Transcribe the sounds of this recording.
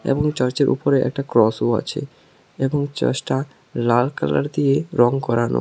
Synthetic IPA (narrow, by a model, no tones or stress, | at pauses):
ḛboŋt͡ɕəɾt͡ɕeɾʔṵpoɾeʔɛ̰k̚ʈakɾɔsua̰t͡ɕʰḛ | eboŋt͡ɕa̰ʃʈa | lalkala̰ɾd̪ieɾɔŋkɔɾano̰